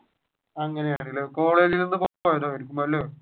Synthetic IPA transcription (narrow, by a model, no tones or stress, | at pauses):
ɐŋːɐnejaːɳẽŋɡiloko̞ːɭelilninːɨpoːoːjɐt̪oːɐɾik̬ʲːumboɐlːo